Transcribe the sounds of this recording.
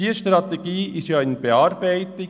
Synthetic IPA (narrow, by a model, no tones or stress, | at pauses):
iːəʃtrɑt̪eɡ̥iːɪstjɑːɪnb̥eɑːɾbæɪt̪ɪ